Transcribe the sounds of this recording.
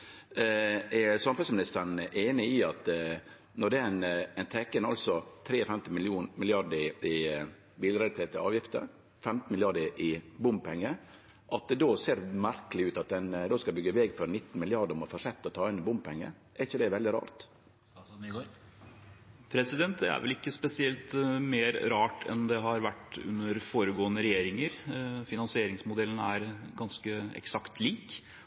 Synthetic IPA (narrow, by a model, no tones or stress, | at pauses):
ɛsɑmfʉlsmɪnɪst̪əɳ̩ʔeːnɪɪɑt̪ | nɔɖ̪ɛnɛɪnt̪ʰɛkənɑ̰lsɔt̪ʰɾeːɔfɛmt̪ɪmɪlɪuːnmɪlɪɑɖəɪɪ | biːləɾɛt̪ʰeːt̪əɑ̰ːʋjɪft̪ə̰ɾ | fɛmt̪n̩mɪlɪɑɖəʔɪbʊmb̚pʰɛŋːə | ʔɑt̪̚d̪ɛd̪oːseːɾmæɾkəlɪʉːt̪ɑt̪̚d̪ɛnd̪oːskɑbʏɡːəʋɛːɡfɔɾnɪt̪ːn̩mɪlɪɑɖəɾɔmɑfɔʂɛt̪ːɔt̪ʰɑːɪnbʊmpʰɛŋːə̰ | ʔɛɾɪçːəd̪ɛʋɛld̪ɪɾɑ̰ːɾt̪ | pʰɾɛsɪd̪ɛnt̪̚d̪ɛ̰æ̰ɾʋɛlɪkːəspɛsɪɛlt̪meːɾɾɑːʈʰɛ̰nd̪ɛɦɑɾʋæʈʉ̰nːəɾfoːɾəɡoːənəɾɛjeːɾɪŋəɾfɪnɑnsɪeːɾɪŋsmʊd̪ɛlən̩æɾɡɑnskəɛ̰ksɑkt̪ʰliːk